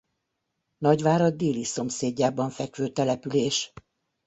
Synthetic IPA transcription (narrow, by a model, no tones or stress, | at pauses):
nɒɟʋaːɾɒd̪iːliso̞mseːɟːaːbɒɱfɛkʋøːt̪ɛlɛpyleːʃ